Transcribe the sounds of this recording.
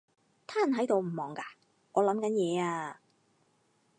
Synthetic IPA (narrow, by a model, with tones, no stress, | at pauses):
t̪ʰaː˥˨nɦɐ˨˥jt̪o˨wm̩˨˩mɔː˨˩ŋkaː˧ | ŋɔː˨˧lɐ˨˥mkɐ˨˥njɛː˨˧aː˧